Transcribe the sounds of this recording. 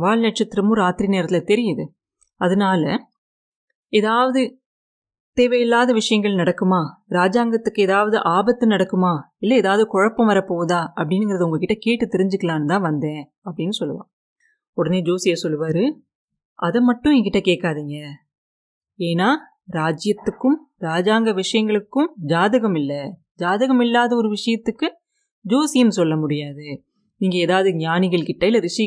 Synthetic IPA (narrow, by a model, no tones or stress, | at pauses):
ʋaːɭnɐʈ̚t͡ʃɐt̪ːɪɾɐmuɾaːt̪ɪɾineːɾɐt̪ːɪlɐt̪ɛɾɪjɐðɯ | ɐðɯnaːlɐ | eðaːʋɐðɯ | t̪eːʋɐjɪlːaːðɐʋɪʂɐjɐŋɡɐɭnɐɽɐkːɯmaːɾaːd͡ʒaːŋɡɐt̪ːɯkːɯɛðaːʋɐðɯʔaːbɐt̪ːɯnɐɽɐkːɯmaː | ɪlːɐeːðaːʋɐðɯkɔɻɐpːɐ̃mʋɐɾɐpːoːðaːɐpːɐɽɪnɯŋɡɪɾɐðɯʊŋɡɐkɪʈːɐkeːʈːɯt̪ːɛɾɪɲd͡ʒɯkːɐlaːnɐt̪ãːʋɐnd̪ẽː | ɐpːɐɽɪnːɯsɔlːɯʋã̰ː | ɔɽɐneːd͡ʒoːsɪjɐsɔlːɯʋaːɾɯ | ɐðɐmɐʈːʊ̃ɛŋɡɐkɪʈːɐkeːkːaːðiːŋɡɐ | eːnaː | ɾaːd͡ʒɪjɐt̪ːɯkːɯm | ɾaːd͡ʒaːŋɡɐʋɪʂɐjɐŋɡɐɭɯkːɯmd͡ʒaːðɐɣɐmɪlːɐ | d͡ʒaːðɐɣɐmɪlːaːðɐɔɾɯʋɪʂɐjɐt̪ːɯkːɯ | d͡ʒoːsɪjɐmsɔlːɐmʊɽɪjaːðɯ | niːŋɡɐeːðaːʋɐðɯɲaːnɪɣɐɭkɪʈːɐɪlːɐɾɪʂɐ